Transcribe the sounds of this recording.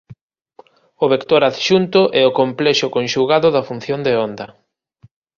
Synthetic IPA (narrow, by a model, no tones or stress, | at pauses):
ʊβekt̪oɾaðʃunt̪ʊʔɛʊkomplɛʃʊkõnʃuɣaðʊðɐfun̟θjond̪eond̪ɐ